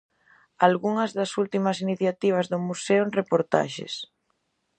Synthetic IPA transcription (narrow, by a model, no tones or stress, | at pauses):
alɣuŋɐzðɐsult̪imɐsiniθjat̪iβ̞ɐzðʊmuseonrepoɾt̪a̰ʃḛs